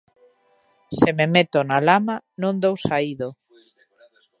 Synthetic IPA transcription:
sememet̪onalamanõnd̪owsaiðo

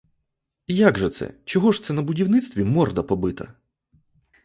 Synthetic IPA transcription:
ijaɡʐɛt̪sɛ̰t͡ʃɔɦɔʐt̪sɛnɐbʊdʲiwnɪt̪st̪ʋʲimɔrd̪ɐpɔbɪt̪ɐ̰

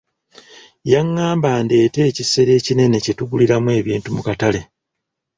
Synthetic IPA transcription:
jaŋːaːmbande̞ːte̞ːcise̞ɾe̞ːcine̞ne̞ce̞tuɡuliɾamwe̞ːβiːntumukatale̞

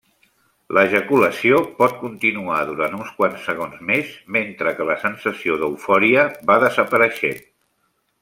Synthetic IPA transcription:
ləʒəkuləsiopɔt̪̚kunt̪inuaðuɾant̪unskwansːəɣonzmezment̪ɾəkələsənsəsioðəufɔɾiəβaðəzəpəɾəʃɛ̰n

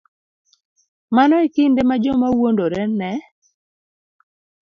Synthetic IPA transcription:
manɔekindemad͡ʒɔmawondoɾɛnɛ

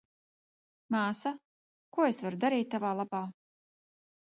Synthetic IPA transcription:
maːsa | kuɔesvaɾud̪aɾiːt̪̚ːavaːlˠapaː

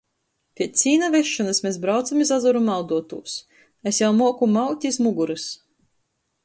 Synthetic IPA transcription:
pʲiɛt̪sʲiːnavʲeʃːɔnɨsmesbɾawt̪samizazɔɾumawd̪uɔt̪ṵːs | esjawmuɔkumawt̪ʲizmuɡuɾɨs

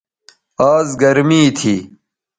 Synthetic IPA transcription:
aːzɡɐɾmiːt̪ʰḭː

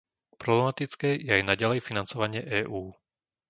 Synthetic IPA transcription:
pɾɔblɛmat̪it͡skɛːjɛajnaɟalɛjfinant͡sɔʋaɲɪɛʔɛːʔuː

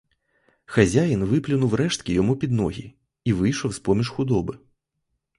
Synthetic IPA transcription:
xazʲajinvɨplʲunuwɾɛʂt̪kʲijɔmupʲid̪nɔɣʲḭ | ivɨjʂɔwspɔmʲiʂxud̪ɔbɨ

